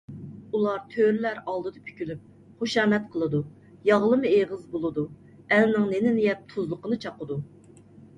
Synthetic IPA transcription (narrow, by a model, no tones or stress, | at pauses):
ulˠɑɾt̪ʰøɾlæɾɑlˠd̪ɨd̪ɑpʰy̥kʲʰylyp̚ | χoʃɑːmɛt̪̚qʰəlˠɨd̪u | jɑʁlˠɨmɨeʁəzbolˠɨd̪u | ɛlnɪŋnenɪnɪjɛp̚t̪ʰuzlˠəqənɨt͡ʃʰɑqəd̪u